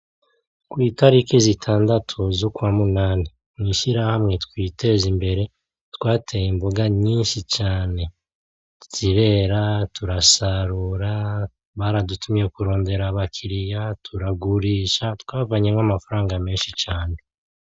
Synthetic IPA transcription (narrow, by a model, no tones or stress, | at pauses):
kwiːtaɾikizitʰaːndatʰuzokwaːmunaːni | mŋiːʃiɾahamŋe̞tkwiːtʰe̞zimbe̞ɾe̞ | tkwaːtʰejimbuɡaɲiːnʃit͡ʃaːne̞̥ | tiɾe̞ɾatuɾasaɾuɾa | βaɾadutumijekuɾo̞ːnde̞ɾaβakʰiɾijatʰuɾaɡuɾiːʃatwaːvaɲe̞mŋamafaɾaːŋɡame̞ːnʃit͡ʃaːne̞